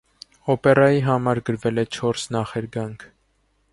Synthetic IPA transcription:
ɔpɛrɑjiɦɑmɑɾɡəɾvɛlɛt͡ʃʰɔɾsnɑχɛɾɡɑŋkʰ

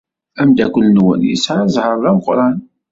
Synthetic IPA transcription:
æmd̪ækʷːəlnwə̰njə̰sʕazˤhəɾˤðæmqɾˤɑn

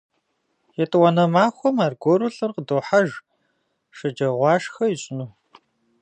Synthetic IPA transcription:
jɛtʼɨwɐnɐmaːxʷɔmaːrɡʷoɾʊɬɨrqədoːħaʒ | ʂɐd͡ʒɐʁʷɑːʂxɐjiɕʼɪnuː

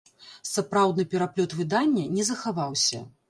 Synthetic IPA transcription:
sapɾawd̪nɨpʲɛɾaplʲɔt̪vɨd̪anʲːɐnʲɛzɐxavawsʲɐ̰

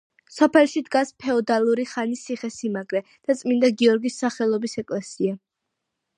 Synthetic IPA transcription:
sɔpʰɛlˠʃid̪ɡaspʰɛɔd̪alˠuɾiχanisiχɛsimaɡɾɛd̪̥at̪sʼmind̪aɡiɔɾɡisːaχɛlˠɔbisɛkʼlɛsia

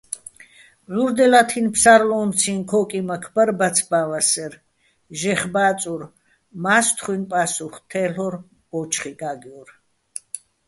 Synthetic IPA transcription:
zuɾd̪ɛlat̪ʰinpʰsaɾlɔːmt͡sʰinkʰɔkʼimakʰbəɾbat͡sʰbavasɛɾ | ʒɛχbaːt͡sʼuɾ | mast̪ʰχwinpʼasuχt̪ʰɛɬɔɾ | ɔt͡ʃʰχiɡaɡjɔɾ

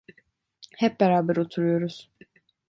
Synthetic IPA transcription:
hɛp̚bɛɾaːbæɾot̪ʰuɾujo̞ɾuz̥

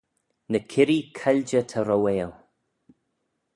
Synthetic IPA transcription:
nəkʰɪɾikʰalʲd͡ʒət̪ʰaɾɔweːlˠ

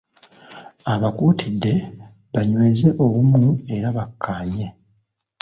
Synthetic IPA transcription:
aβakuːtʰidːe̞ | βaɲweːze̞ʔo̞βumue̞ɾaβakʰːaːɲe̞

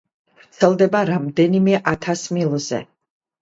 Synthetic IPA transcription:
vɾt̪sʰɛlˠd̪ɛbaɾamd̪ɛnimɛʔat̪ʰasmilˠɔzɛ̰

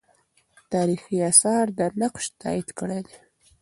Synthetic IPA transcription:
t̪ɑɾixiasɑɾd̪ənaqʃt̪ɑ̰id̪kəɽed̪e

